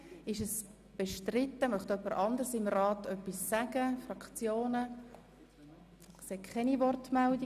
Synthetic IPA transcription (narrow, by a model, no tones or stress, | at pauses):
ɪʃəs | b̥ɛʃtrɪt̪ːəmœχt̪œpːəɾʔɑnd̪əɾsɪmrɑːtʰœpːisːæɡəfrɑkt͡sjoːnə | seːkχɛnivɔrtmɛldi